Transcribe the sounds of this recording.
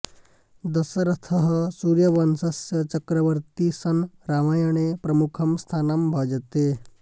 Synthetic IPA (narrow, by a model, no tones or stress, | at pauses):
d̪ɐsɐɾɐt̪ʰəɦɐsuːɾjɐʋɐnsɐsjɐt͡ʃɐkɾɐʋəɾt̪isɐnɾamajɐɳ̃epɾɐmukʰɐmst̪ʰaːnambʱɐd͡ʒɐt̪e